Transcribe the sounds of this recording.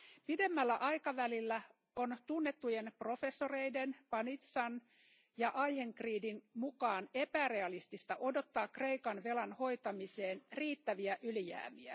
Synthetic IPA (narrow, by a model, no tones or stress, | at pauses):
pide̞mːælːæʔɑjkɑʋælilːæ | o̞nt̪unːe̞t̪ːuje̞npro̞fe̞sːo̞re̞jde̞npɑnit̪sɑn | jɑʔɑjhe̞ŋkriːdinmukɑːne̞pære̞ɑlist̪ist̪ɑʔo̞do̞t̪ːɑːkre̞jkɑnʋe̞lɑnho̞jt̪ɑmise̞ːnriːt̪ːæʋiæʔyljæ̰ːmiæ